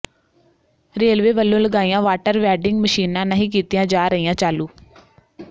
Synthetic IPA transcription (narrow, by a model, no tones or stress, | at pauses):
ɾeːlʋeːʋəlːõːləɡaːijãːʋaːʈəɾʋɛːɖɪŋɡməʃiːnãːnəɦĩːk̬iːt̪ijãːd͡ʒaːɾəijãːt͡ʃaːluː